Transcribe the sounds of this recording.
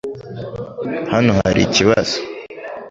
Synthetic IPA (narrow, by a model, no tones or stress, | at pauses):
hanoɦaɾḭciβaz̥o̥